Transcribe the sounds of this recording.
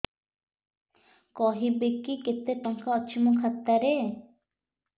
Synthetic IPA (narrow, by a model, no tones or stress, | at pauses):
kɔɦibekiket̪ːet̪ɔŋkaːt͡ʃʰimɔ̃kʰat̪ːaɾe